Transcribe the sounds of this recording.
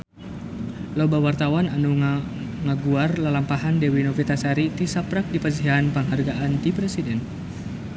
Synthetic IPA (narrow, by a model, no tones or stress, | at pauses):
lobawart̪awananuŋ | ŋaɡuarlalampaɦandɛwinɔfit̪asaɾit̪isapɾak̚dipas̬ianpəŋɦarɡaʔant̪ipɾɛsidɛn